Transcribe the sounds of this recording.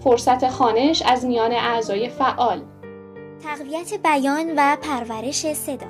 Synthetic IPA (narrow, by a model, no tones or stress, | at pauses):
foɾsæt̪ʰe̞xɒːne̞ʃæzmijɒːne̞ʔæzɒːje̞fæʔɒːl | t̪ʰæɣvijæt̪ʰebæjɒːnvæpʰæɾvæɾe̞ʃe̞se̞d̪ɒ̰